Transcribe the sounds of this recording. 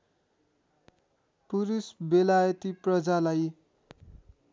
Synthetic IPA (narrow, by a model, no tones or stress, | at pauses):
puɾisbelajʌt̪iprʌd͡zalaj